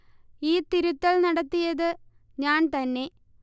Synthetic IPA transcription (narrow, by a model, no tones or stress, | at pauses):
iːt̪iɾut̪ːɐɭnɐɽɐt̪ːijɐðɨ | ɲaːnt̪ɐnːe̞